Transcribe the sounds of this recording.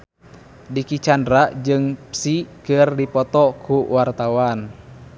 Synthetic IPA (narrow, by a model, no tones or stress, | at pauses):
dikit͡ʃandɾad͡ʒɨŋpsikɨrdipɔt̪ɔkuwart̪awan